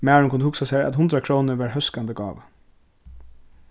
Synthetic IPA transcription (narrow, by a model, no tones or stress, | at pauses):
mæːɹʊnkʰʊnəhʊksasæɪa̰t̪hʊnd̪ɾakʰɾoːnəɹʋɑɹhœskand̪əɡɑ̰ːʋə